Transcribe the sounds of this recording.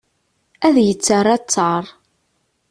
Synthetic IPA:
æðjət͡sːərˤːæt͡sːɑɾˤ

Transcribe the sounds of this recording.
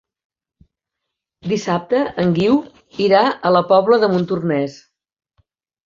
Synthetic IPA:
d̪isap̚t̪əəŋɡiw | iɾaələpɔβləðəmunt̪urnɛs

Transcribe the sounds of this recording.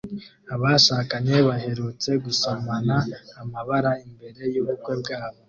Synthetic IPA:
aβaʃaːkaɲe̞βaɦe̞ɾut͡se̞ɡusomanaːmaβaɾaimbe̞ɾe̞joβukwe̞bɡaːβo

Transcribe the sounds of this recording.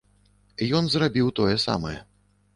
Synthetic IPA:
jɔnzrabʲiwt̪ɔjɛsa̰mɐjɛ̰

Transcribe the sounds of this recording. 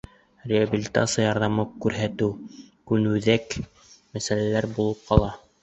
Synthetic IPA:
rʲɪabʲilʲit̪a̰t̪sɨjajɑɾðɑmɤkʉɾɦæt̪ɘwkʉnʉðæk | mæsælælæɾbulˠɤp̚qɑlˠɑ

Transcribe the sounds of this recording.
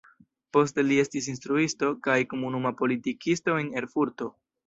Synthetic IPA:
po̞ste̞lie̞stis̬instɾuisto̞kajko̞munumapo̞litikʰisto̞ene̞ɾfuɾto̞

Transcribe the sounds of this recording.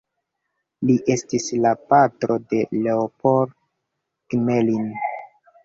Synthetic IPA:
liʔe̞stislapatɾo̞de̞le̞opoɾ | kmelin

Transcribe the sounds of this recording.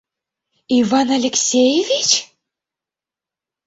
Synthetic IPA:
ivɑnalʲeksʲejevʲit͡ɕ

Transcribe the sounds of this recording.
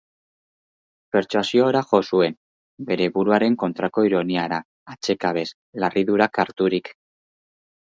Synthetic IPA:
pe̞ɾt͡ʃuasio̞ːɾaxo̞sue̞n | be̞ɾe̞βuɾuaɾe̞ŋko̞nt̪ɾako̞iɾo̞niaɾaː | t͡se̞kaβe̞s | larʔiðuɾakaɾt̪uɾik

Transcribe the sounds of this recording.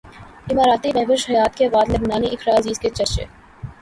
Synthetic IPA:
ɪmaːɾaːt̪imɛːʋəʃhɐjaːt̪keʋaːd̪lɐɡnaːniʔɪkʰɾaːɐziːzket͡ʃɐɾt͡ʃḛː

